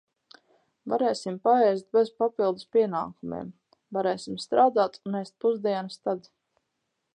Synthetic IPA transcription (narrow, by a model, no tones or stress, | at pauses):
va̰ɾɛːsimpaɛjst̪̚bezpapilˠd̪uspʲiɛna̰ːkumḛɛm | vaɾɛːsimst̪ɾaːd̪aːt̪unːɛst̪̚puzd̪iɛnast̪ad̪